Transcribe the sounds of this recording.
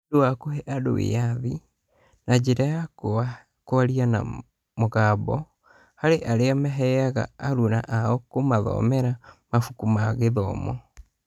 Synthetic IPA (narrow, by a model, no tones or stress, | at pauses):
doakohɛʔado̰wḛjaði | nad͡ʒeɾaja | koaɾiana̰ | moɣabɔ | haɾeʔaɾeamɛɦɛaɣa̰ːɾuna̰ʔaɔkomaðɔ̰mɛɾamafukumaɣeðɔːmɔ̰